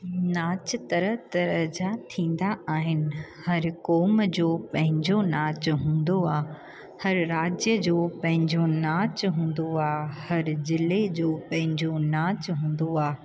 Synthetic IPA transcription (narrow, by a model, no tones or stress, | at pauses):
naːt͡ɕt̪ɐɾəɦt̪ɐɾəd͡ʑat̪ʰĩːn̆d̪aʔaːɦɪnɪ̆hɐɾkɔːmd͡ʑoːpɐ̃ɦɪ̃ɲd͡ʑonaːt͡ɕɦũːn̆d̪oaː | hɐɾɾaːd͡ʑjəd͡ʑoːpɐ̃ɦɪ̃ɲd͡ʑonaːt͡ɕɦũːn̆d̪oaːhɐɾzɪled͡ʑoːpɐ̃ɦɪ̃ɲd͡ʑonaːt͡ɕɦũːn̆d̪oaː